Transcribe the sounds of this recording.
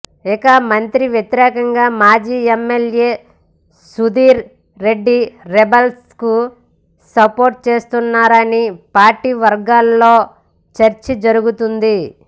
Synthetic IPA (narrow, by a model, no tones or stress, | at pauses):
ikɐmɐnt̪ɾiʋjɐt̪iɾɛːkɐŋɡaːmaːd͡ʒiːemːeljeː | sud̪iːɾː | eɖːiɾebels | ku | sɐpo̞ːɾʈ̚t͡ʃe̞ːst̪unːaːɾɐnipaːɾʈiːʋɐɾɡaːlːo̞ː | t͡ʃɐɾt͡ʃid͡ʒɐɾuɡut̪und̪i